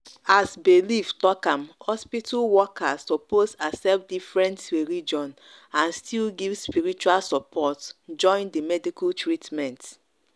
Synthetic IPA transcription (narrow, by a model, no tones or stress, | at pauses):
asbeliftɔkãmhɔspitʰulwɔkasɔposasɛpdifɹɛ̃nteɹid͡ʒɔ̃n | ãnstʰilɡivspiɹit͡ʃualsɔpʰɔtd͡ʒɔ̃ɪ̃ndimɛdikultɹitmɛ̃nt